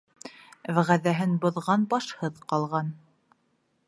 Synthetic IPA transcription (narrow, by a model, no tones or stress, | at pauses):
vʁæðæɦɘnbŏðʁɑnbɑʃhɤðqɑlˠʁɑn